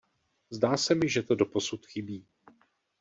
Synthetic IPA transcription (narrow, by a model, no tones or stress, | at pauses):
zdaːsɛmɪʒɛt̪o̞do̞po̞sut̪xɪbiː